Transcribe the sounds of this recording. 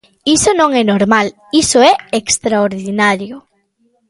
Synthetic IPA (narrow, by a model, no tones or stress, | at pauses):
isonõŋɛnoɾmal | isoɛekst̪ɾaoɾðinaɾjʊ